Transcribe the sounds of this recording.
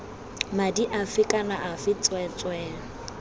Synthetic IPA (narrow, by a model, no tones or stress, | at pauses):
madiʔafɪkʼanaʔafɪt͡sʼwɛt͡sʼwɛːŋ̩